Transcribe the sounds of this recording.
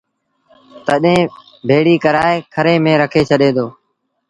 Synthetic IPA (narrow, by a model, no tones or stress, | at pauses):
t̪əɗɦẽː | bʱeːɽiːkəɾaːeːkʰəɾeːmẽːɾəkʰeːt͡ʃʰəɗeːd̪oː